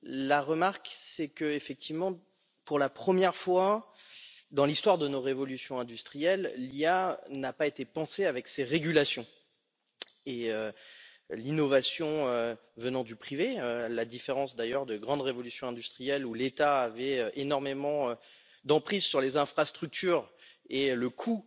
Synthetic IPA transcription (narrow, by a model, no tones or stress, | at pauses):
laʁəmaʁksɛkəefɛk̚t̪ʰivmɑ̃ | puʁlapχəmjɛʁfwa | d̪ɑ̃list̪waʁd̪ənoʁevɔlysjɔ̃ɛ̃d̪yst̪χijɛlːjanapaet̪epɑ̃seavɛkseʁeɡʲylasjɔ̃ | eø | linɔvasjɔ̃ø | vənɑ̃d̪ypχiveølad̪ifeʁɑ̃sd̪ajœʁd̪əɡʁɑ̃d̪ʁevɔlysjɔ̃ɛ̃d̪yst̪χijɛlulet̪aːvɛøʔenɔʁmemɑ̃ø | d̪ɑ̃pχizsyʁlezɛ̃fχast̪χyk̚t̪ʰyːʁeləkʰu